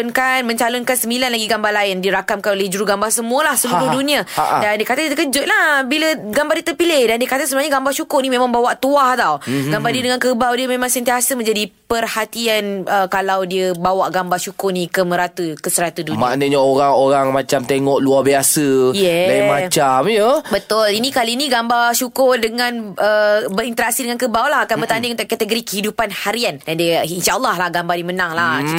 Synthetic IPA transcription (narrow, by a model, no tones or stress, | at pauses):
nkanmə̃ɲt͡ʃalʊnkansəmbilanlaɡiɡambahlaɪndiəɾakamkanolehd͡ʒuɾuɡambahsəmũəlahsəuɾʊhdunĩaadandiəkat̪ait̪əkəd͡ʒʊt̪̚lahbiləɡambaɾdiət̪ərpilehdandiəkat̪asəmuaɲaɡambaʃukʊrnĩmẽmãŋbawaʔt̪uaht̪awɡambadiədəŋãnkəbawdiəmẽmãŋsənt̪iasəmə̃ɲd͡ʒadipərhat̪ianʔəkalawdiəbawaʔɡambaʃukʊnĩkəməɾat̪əkəsəɾat̪uduma̰ʔnəɲaoɾaŋoɾaŋmãt͡ʃamt̪eŋɔʔluabiasəjɛajmãt͡ʃamjobət̪ʊlinĩkalinĩɡambaʃukʊrdəŋãnəbəɾint̪əɾak̚sidəŋankəbawlaɦakanbərt̪andɪ̃ŋunt̪ʊʔkat̪əɡoɾikəhidupanhaɾiandandiəinʃaʔəlˠːahlahɡambadiəmənãŋla